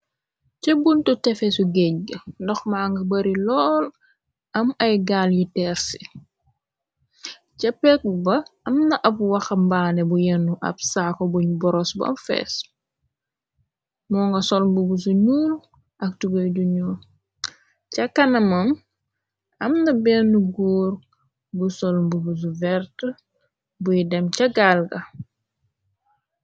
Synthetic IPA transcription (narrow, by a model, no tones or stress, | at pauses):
cɐbuntutɛfɛsuɡɛɲɡəndɔxmaːŋɡɐbɐɾilɔːl | ɐmɐjɡaljutɛːɾsi̥ | cɐpɛk̚bɐɐmnɐʔɐbwɐxɐmbaːnɛbujɛnːuʔɐ̰bsaːkobuɲbɔɾɔsbɐ̰mfɛ̰ːs | mɔːŋɡɐsɔlmbubusuɲuːl | ʔɐk̚tuɡoɟuɲuːl | cɐkɐnɐmɐm | ɐmnɐbɛnuɡuːɾ | ɡusɔlmbubus̬uvɛɾt | bujidɛmcɐɡalɡɐ